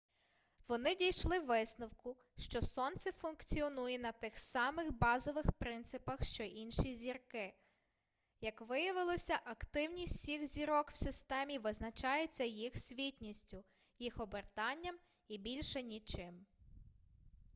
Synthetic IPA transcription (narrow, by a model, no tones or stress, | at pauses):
ʋɔnɪdʲijʃlˠɪʋɪsnɔwkʊ | ʃt͡ʃɔsɔnt̪sɪfʊnkt͡sʲiɔnujɛnɐt̪ɪxsɑmɪxbɑzɔʋɪxpɾɪnt̪sɪpɐxʃt͡ʃɔʔinʃizʲirkɪ | jɐkʋɪjɐʋɪlˠɔsʲɐʔɐkt̪ɪwnʲisʲtʲsʲixzʲiɾɔkw̥sɪst̪ɛmʲiʋɪznɐt͡ʃɑjet͡sʲːɐjixsʲʋʲitʲnʲisʲtʲʊ | jixɔbert̪ɑnʲːɐm | ibʲilʲʃɛnʲit͡ʃɪm